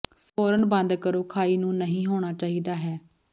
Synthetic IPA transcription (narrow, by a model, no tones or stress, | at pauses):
pʰoːɾənbə̃nd̪kəɾoːkʰaːiːnũːnəɦĩːɦoːɽ̃aːt͡ʃaːɦiːd̪aːɦɛː